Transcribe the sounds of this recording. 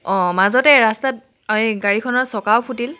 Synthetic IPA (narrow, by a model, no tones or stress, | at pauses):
ɔ̃mazɔtɛɹastat̚ | amiɡaɹikʰɔnɔsɔkawpʰutil